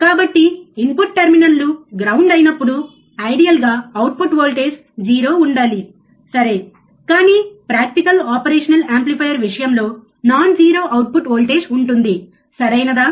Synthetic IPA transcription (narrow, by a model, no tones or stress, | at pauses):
kaːbɐʈːiimpuʈːɐɾminɐlːuɡɾɐwuɳɖɐjinɐpːuɽu | ɐjɖijɐlɡaːɐwʈ̚puʈʋoːlʈe̞ːd͡ʒ | d͡ʒiːɾo̞ːuɳɖaːli | sɐɾe̞ː | kaːniːpɾaːk̚ʈikɐlaːpɐɾeːʂɐnɐlaːmplipʰɐjɐɾʋiʂɐjɐmlo̞ː | naːnd͡ʒiːɾo̞ːʔɐwʈ̚puʈʋoːlʈe̞ːd͡ʒuɳʈund̪i | sɐɾɐjnɐd̪aː